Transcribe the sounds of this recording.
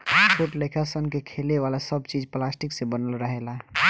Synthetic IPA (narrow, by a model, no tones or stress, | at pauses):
pʰoʈlekʰasənkekʰeleʋalasəbt͡ʃid͡ʒplasʈiksẽbənəlɾəɦela